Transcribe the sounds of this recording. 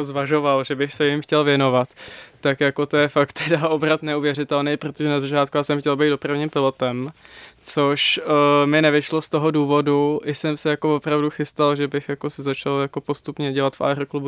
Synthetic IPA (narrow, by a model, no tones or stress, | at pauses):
zvaʒo̞valʒɛbɪxsɛjɪmxcɛlvjɛno̞vat̪ːakjako̞t̪ojɛfakt̪ʰɛdaʔobɾat̪nɛuvjɛrɪt̪ɛlnɛjpɾot̪oʒɛnazat͡ʃaːt̪̚kujaːsɛmxcɛlbɛjt̪dopɾavɲimpɪlo̞t̪ɛmt͡so̞ʃmɪnɛvɪʃlo̞st̪o̞ɦo̞duːvo̞duʔɪsɛmsɛjako̞vo̞pɾavduxɪst̪alʒɛbɪxjako̞sɪzat͡ʃaljako̞po̞st̪upɲɛɟɛlat̪fʔa̰ɛrklubu